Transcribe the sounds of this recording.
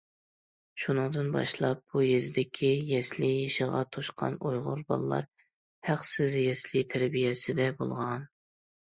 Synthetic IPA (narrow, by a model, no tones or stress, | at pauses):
ʃunɨŋd̪ɨnbɑ̰ʃlˠɑp̚b̥ujezɪd̪ɪkʲʰijɛslɪjeʃɪʁɑ̰t̪ʰoʃqʰɑ̰nujʁʊ̰ɾbɑ̰lˠːɑ̰ɾ | hæqsɪzjɛslɪt̪ʰæɾbijɛsɪd̪ɛbo̰lˠʁɑn